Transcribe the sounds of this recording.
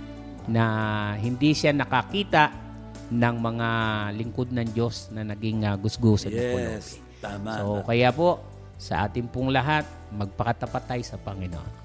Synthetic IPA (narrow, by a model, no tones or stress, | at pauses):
nɐɦɪnd̪iʃanɐkɐkiːt̪aʔ | nɐŋmɐŋalɪŋkod̪̚nɐŋd͡ʒo̞snɐnɐɡɪŋaɡʊsɡosɐdpʊlsɪ | sokɐjapo̞ʔ | sɐʔa̰ːt̪ɪŋpʊŋlɐɦat̪̚mɐɡ̚pɐkɐt̪ɐpɐt̪ajsɐpɐŋɪnoʔo̰n